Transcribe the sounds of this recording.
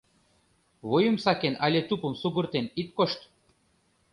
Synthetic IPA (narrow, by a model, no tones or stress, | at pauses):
βojumsakenalʲet̪upumsuɡurt̪enit̪̚koʃt̪